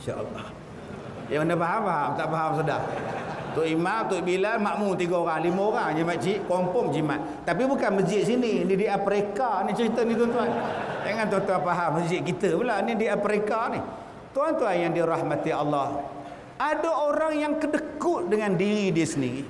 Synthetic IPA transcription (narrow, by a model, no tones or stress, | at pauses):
inʃa̰ʔə̰lːɑ̰h | jakənapaɦampaɦamt̪aʔfaɦams̬ədaht̪ʊʔimamt̪ʊʔbilanmaʔmunt̪iɡaoɾaŋlimaoɾaŋd͡ʒimat̪̚t͡ʃiʔkɔmpɔŋd͡ʒima̰t̪̚ːapibukanməsd͡ʒɪt̪̚sininidiapɾekanit͡ʃəɾit̪ənit̪uant̪uand͡ʒaŋant̪uant̪uanpaɦamːəsd͡ʒɪt̪̚kit̪əbəlanidiapɾikani | t̪uant̪uanjaŋdiɾɑhmat̪iɑlːɑh | ʔadaoɾaŋjaŋkədəkʊʔ̪̚dəŋandiɾidiəsəndiɣi